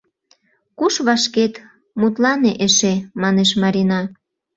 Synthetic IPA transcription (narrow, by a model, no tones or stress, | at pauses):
kuʃβɑʃket̪ | mut̪lɑneʔeʃemɑneʃmɑɾʲinɑ